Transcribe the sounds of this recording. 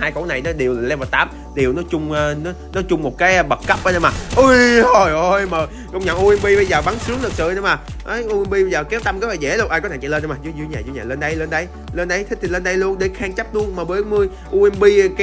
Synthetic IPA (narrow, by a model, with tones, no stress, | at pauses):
aː˧jko˧˨˦na˨˩jnɔ˨˦ɗi˨˩əwllɛ˧wvaː˨˩t̪aː˨˦m | ɗi˨˩əwnɔ˨˦t͡ɕʊ˧ŋ͡mːnɔ˨˦nɔ˨˦t͡ɕʊ˧ŋ͡mmo˨˩t̚kaː˨˦jɓə˨˩t̚kə˦˥p̚ʔəː˨˧˦ɗə˧maː˨˩ʔɨ˧jo˨˩jʔo˧jməː˨˩ | kə˧wŋ͡mɲə̰˧˨ŋʔu˧ʔɛ˧mɓi˧ɓə˧jzəː˨˩ɓa˨˦ŋsɨ˨˦əŋlɨ˨˩k̚sɨ̰˧˨ɗə˧˦maː˨˩ | ʔə˨˦jʔu˧ʔɛ˧mɓi˧ɓə˧jzəː˨˩kɛ˨˦˥wt̪a˧mkəː˨˦fa˨˩zḛ˧˩lu˧nʔaː˧jkɔ˦tʰa˧˩t͡ɕa̰˧˨lə˧nɗmaː˨˩zɨ˧˦zɨ˧ɲaː˨˩zu˧ɲaː˨˩lə˧nɗə˧jləː˧nɗə˧j | ləː˧nɗə˧jt̪ʰi˦˥t̪ʰlə˧nɗə˧jlu˧ənɗe˧˩xaː˧ŋt͡ɕa˦˥t̚lu˧ənmaː˨˩ɓəː˨˦jmɨ˧əj | ʔu˧ʔɛ˧mɓi˧kː